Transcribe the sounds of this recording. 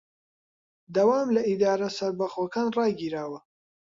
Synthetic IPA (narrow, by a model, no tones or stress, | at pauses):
d̪ɐwaːmlɐʔid̪aːɾɐsɐɾbɐχoːkʰaːnrɑːɡiːɾaːwɐ